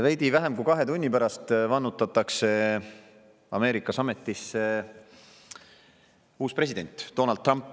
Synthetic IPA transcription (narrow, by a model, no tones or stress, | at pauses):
væjd̪̥ivæɦemkujkɑɦe̞t̪unʲːipæɾɑst̪vɑnːut̪ːˑɑt̪ːˑɑkse̞ | ɑme̞ːɾikːˑɑsɑme̞t̪ˑːise | uːspre̞s̬id̪e̞nʲt̪ːo̞ːnɑld̪̚rɑmpːˑ